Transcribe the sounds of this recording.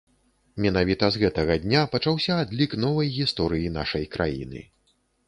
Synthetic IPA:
mʲɛnavʲit̪ɐzɣɛt̪ɐɣɐd̪ʲnʲapɐt͡ʂawsʲɐːd̪lʲikn̪ɔvɐjɣʲist̪ɔɾɨjina̰ʂɐjkɾʔa̰jḭnɨ̰

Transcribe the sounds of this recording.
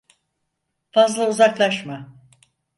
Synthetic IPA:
fazlˠauzaklˠaʃma

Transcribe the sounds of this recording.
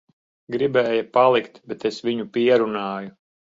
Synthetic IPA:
ɡɾibɛːjapalˠikt̪bɛt̪esʋiɲupiɛɾunaːju

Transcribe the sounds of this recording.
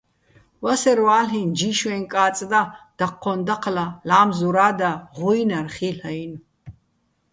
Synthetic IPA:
wasɛɾwaːɬind͡ʒiʃwɛnkʼaːt͡sʼd̪ad̪̥aqʰːɔnd̪aqʰlalaːmzuɾaːd̪aʁɔjnarχiːɬajn

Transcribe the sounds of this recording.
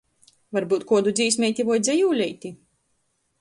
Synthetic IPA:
vaɾbuːt̪̚kuɔd̪ud̪ziːs̬ʲmʲɛjt̪ʲivɔjd̪zʲɛjuːlʲɛjt̪ʲi

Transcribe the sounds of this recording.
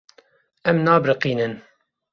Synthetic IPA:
ʔæmnaːbɾəqiːnən

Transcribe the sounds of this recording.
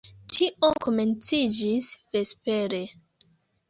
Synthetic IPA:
t͡ʃiʔoko̞me̞nt͡sid͡ʒisve̞spe̞ɾe̞

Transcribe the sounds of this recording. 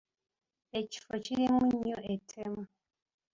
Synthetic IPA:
eci̥fociɾimuɲːoʔetʰemu

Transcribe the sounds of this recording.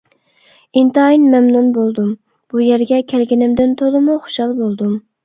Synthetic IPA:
int̪ɨɑjinmɛmnunbolˠd̪um | b̥ujæɾɡʲɛkʲʰælɡʲinɪmd̪ɪnt̪ʰolˠɨmuχo̥ʃɑlˠbolˠd̪um

